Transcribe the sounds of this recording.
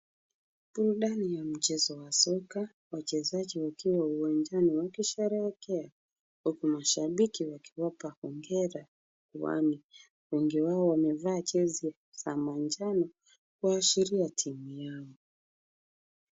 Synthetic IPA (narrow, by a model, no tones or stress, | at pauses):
ɓuɾuɗanijam̩t͡ʃɛzɔwasɔka | wat͡ʃɛzaʄiwakiwauwaɲd͡ʒaniwakiʃɛɾɛkɛa | hukumaʃaɓikiwaki̥wapahɔŋɡɛɾa | kuwa̰mi | kuŋɡiwaɔwamɛvaːt͡ʃɛzi | samand͡ʒanɔ | kuaʃiɾiatʰimujaɔ